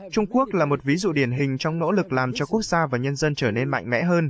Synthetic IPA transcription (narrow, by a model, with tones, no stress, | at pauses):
t͡ɕʊ˧ŋ͡mku˦˥ək̚laː˨˩mo˨˩t̚vi˨˦zṵ˧˨ɗi˧˩ənɦï˨˩ŋ̟t͡ɕɔ˧wŋ͡mno̰˧˥lɨ˨˩k̚laː˨˩mt͡ɕɔ˧ku˦˥ək̚z̥aː˧vaː˨˩ɲə˧nzə˧nt͡ɕəː˧˩ne˧nma̰˧˨jŋ̟mɛ̰˧˥ɦəː˧n